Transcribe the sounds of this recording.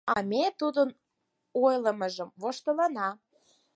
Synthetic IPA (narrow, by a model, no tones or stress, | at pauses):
ɑmʲet̪ud̪ən | ojləməʒəmvoʃt̪əlɑnɑ